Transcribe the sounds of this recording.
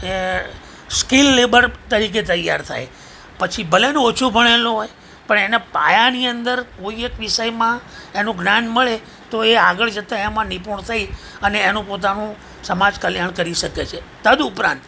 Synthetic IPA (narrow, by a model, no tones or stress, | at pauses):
e | skilːebəɾt̪əɾik̬et̪əjːa̰ɾt̪ʰa̰j | pət͡ʃʰibʱəlenot͡ʃʰubʱəɽ̃eloɦoj | pəɳenapa̰janiənd̪əɾkoiekʋɪʃəjmãenũɡnanməɭe | t̪oeaɡəɭd͡ʒət̪aemãnipuɳt̪ʰai | əneːnũpot̪̬anũ | səmad͡ʒkəljaɳkəɾiʃəket͡ʃʰet̪əd̪upɾã̰nt̪